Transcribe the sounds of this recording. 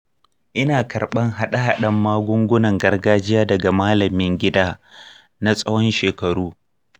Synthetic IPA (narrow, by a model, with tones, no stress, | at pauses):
ʔɪ˦naː˨kɐ˨rɓɐ˦ŋɦa˦ɗa˦ɦa˨ɗɐ˦mːaː˦ɡʷʊ˦ŋɡʷʊ˦nɐ˨ŋɡɐ˦rɡaː˦d͡ʒɪ˦jaː˦dɐ˨ɡa˨maː˦lɐ˨mɪ˦ŋɡʲɪ˦daː˦ | na˦sʼɐ˦wɔ˦nʃeː˨kɐ˨ɽuː˦